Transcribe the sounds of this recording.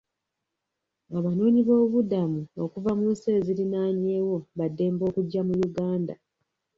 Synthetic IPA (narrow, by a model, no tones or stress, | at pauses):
aβano̞ːɲiβo̞ːuβudamuokuvamuːseːzilinaːɲeːwo̞βadːe̞ːmbo̞ːkuɟːamujuɡaːnda̰